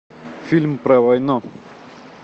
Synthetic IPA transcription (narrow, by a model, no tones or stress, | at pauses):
fʲilʲmpɾɐvɐjnɔ